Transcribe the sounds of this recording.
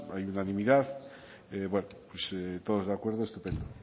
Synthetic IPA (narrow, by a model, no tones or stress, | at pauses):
ajunanĩmiðað | eβwenopweset̪oð̞o̞zðeakwe̞ɾð̞oest̪u̥pend̪o